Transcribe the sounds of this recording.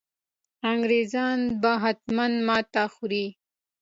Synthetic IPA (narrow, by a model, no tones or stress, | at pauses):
aŋɡɾezɑnbaɦat̪manmɑːt̪axuɾi